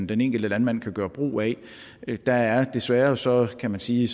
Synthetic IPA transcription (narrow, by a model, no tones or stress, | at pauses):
d̥ene̝ŋ̰ɡ̥l̩d̥əlænmæn̰kʰæɡ̥ɶːɐb̥ʁo̰ːɛ | d̥ɑ̈æɐd̥e̝sʋæːɐsɒ̽kʰæmænsiː